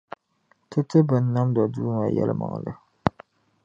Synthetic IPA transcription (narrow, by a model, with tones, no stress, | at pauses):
tɨ˦tɨ˦bɨ˨nːa˦mdɔ˨duː˦ŋa˨jɛ̰˦lʔɨ̰˦ma̰˨ŋ˨lɨ˦